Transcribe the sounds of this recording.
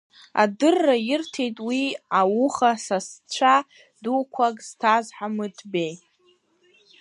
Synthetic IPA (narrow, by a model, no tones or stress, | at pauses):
a̰dɨrːajɪrtʰe̞jtʼwiawuχasast͡ɕʷʰa | dukʷʰakʼz̥tʰazħamɨdʰbe̞j